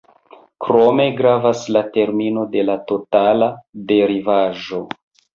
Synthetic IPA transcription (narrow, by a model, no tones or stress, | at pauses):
kɾo̞me̞ɡɾavaslate̞ɾmino̞de̞lato̞talade̞ɾivaʒo̞